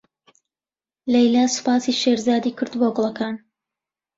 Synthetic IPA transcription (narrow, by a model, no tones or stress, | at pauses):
lɛjlaːsɨ̥paːsiːʃeːɾzaːd̪iːkʰɨɾd̪boɡlˠɐkaːn